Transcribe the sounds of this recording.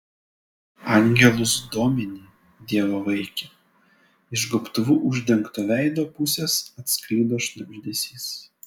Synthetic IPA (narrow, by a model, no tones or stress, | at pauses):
ɑˑŋʲɡʲɛlˠʊsd̪oːmʲɛnʲiː | d̪ʲiɛʋoːʋɐɪkʲɛ | ɪʒɡʊpt̪ʊʋuːʔʊʒʲd̪ʲɛŋkt̪oʋʲæˑɪd̪oːpʊsʲesɐt̪sklʲiːd̪oːʃnʲʊʒʲd̪ʲeːsʲiːs